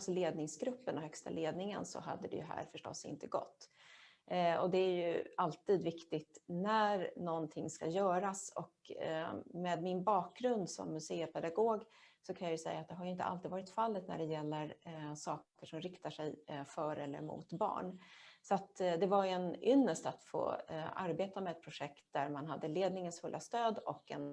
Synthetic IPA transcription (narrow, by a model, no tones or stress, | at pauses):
sɔleːd̪nɪŋsɡɾɵpːənɔhœkst̪a̰leːd̪nɪŋə̰nsɔ̰ɦa̰d̪ːəd̪ɛ̰jɵɦæ̰ːɾfœʂʈɔ̰sːɪ̰nt̪əɡɔ̰t̪ː | ɔd̪ɛæɾjɵ̰alt̪iːd̪vɪkt̪ɪt̪næɾnɔnt̪ʰɪŋːskajœːɾasɔ̰k | meːd̪mɪnbɑːk̚ɡɾɵnd̪sɔ̰mːɵseːəpʰɛd̪aɡoːɡ | sɔkʰanjajɵsɛ̰jːaːt̪̚d̪ɛɦaɾjʏɪnt̪əʔa̰liːd̪vɑːɾɪt̪falːət̪næ̰ɖɛjɛlːəɾsɑːkkəʂɔmɾɪkt̪aʂɛjfœɾɛlːə̰ɾmʊ̰t̪bɑ̰ːɳsɔat̪d̪ɛvajɛnʏnːəʂʈat̪fo̰ːʔa̰ɾbeːt̪amɛɛt̪̚pʰɾʊʂɛkt̪̚d̪æɾmanɦad̪ːəleːd̪nɪŋənsfɵlːʔast̪øːd̪ɔ̰kːɛ̰n